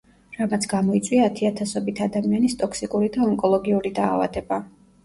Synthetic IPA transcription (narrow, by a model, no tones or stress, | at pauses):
ɾamat̪sʰɡamɔit̪sʼwiaːt̪ʰiat̪ʰasɔbit̪ʰad̪amianist̪ʼɔkʰsikʼuɾid̪aɔŋkʼɔlˠɔɡiuɾid̪aːva̰d̪ɛba